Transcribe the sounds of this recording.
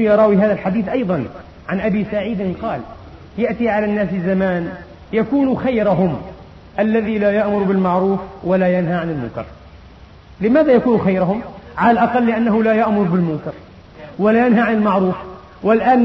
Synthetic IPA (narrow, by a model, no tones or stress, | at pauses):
jɑɾˤɑːwiɦaːðalħad̪iːθʔɑjðˤɑn | ʕanʔabisaʕiːd̪ɪnqɑːl | jaʔt̪iʕalanːaːs̬ɪzamaːn | jakuːnuxajɾaɦʊm | ʔalːaðilajaʔmʊɾbɪlmaʕɾuːfwalajanɦaʕanɪlmʊ̰ŋkɑ̰ɾ | lɪmaːðajakuːnxajɾʊɦʊmʕalalʔɑqɑlːɪʔanːaɦʊlajaʔmʊɾˤbɪlmʊŋkɑɾ | walaːjanɦaʕanɪlmaʕɾuːf | wɪlʔaːn